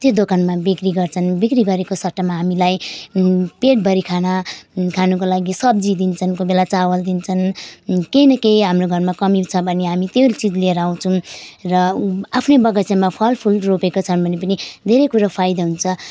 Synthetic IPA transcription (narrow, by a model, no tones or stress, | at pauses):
t̪jod̪okanmabikriɡʌrt͡sʰʌnbikriɡʌɾekosʌʈːamaɦamilaj | peʈ̚bʱʌɾikʰanakʰanukolaɡisʌbd͡zid̪int͡sʰʌnkobelat͡sawʌld̪int͡sʰʌnkejnʌkejɦamroɡʱʌrmakʌmit͡sʰʌbʱʌneɦamit̪ewlt͡sid͡zleɾaũt͡sʰʌw̃rʌapʰnebʌɡʌsemapʰʌlpʰulropekot͡sʰʌnbʱʌnepʌnid̪ʱeɾekuɾapʰajd̪aɦunt͡sʰʌ